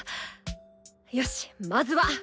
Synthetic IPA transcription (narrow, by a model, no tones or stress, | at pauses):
joɕi̥mazɨβa